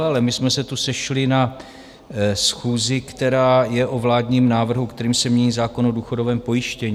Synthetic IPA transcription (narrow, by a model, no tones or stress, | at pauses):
alɛmɪsmɛsɛt̪usɛʃlɪna | sxuːzɪkt̪ɛɾaːjɛʔovlaːdɲiːmnaːvr̩ɦukt̪ɛɾiːmsɛmɲɛɲiːzaːko̞noduːxo̞do̞vɛːmpo̞jɪʃcɛɲː